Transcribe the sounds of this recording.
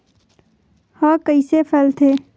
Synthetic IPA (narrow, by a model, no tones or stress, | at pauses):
haːkəisepʰəlt̪ʰeː